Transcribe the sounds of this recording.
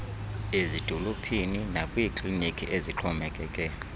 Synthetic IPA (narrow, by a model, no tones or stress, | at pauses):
ezid̥ʱɔlopʰininakʼwikʰʼlinikʼʰiʔeziǁʰɔmɛkʼɛːkʼɛ